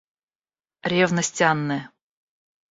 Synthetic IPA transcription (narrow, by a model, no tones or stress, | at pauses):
ɾʲevnəsʲtʲɑnːɨ